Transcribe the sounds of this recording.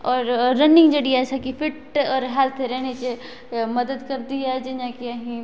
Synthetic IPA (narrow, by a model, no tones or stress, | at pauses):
ɔːɾːɐnɪ̃ŋɡd͡ʒɐɽiɛːsakifʰɪʈɔːɾɦɛːlt̪ʰɾɛːnet͡ʃe | mɐd̪əd̪kɐɾd̪iɛd͡ʒenãːkiɐɦĩ